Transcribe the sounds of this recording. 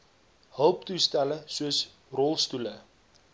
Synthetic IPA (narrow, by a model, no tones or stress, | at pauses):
ɦœwptustæləsuəs | rɔlˠstulə